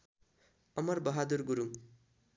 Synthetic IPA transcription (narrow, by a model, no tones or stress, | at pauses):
ʌmʌrbʌɦad̪urɡuɾuŋ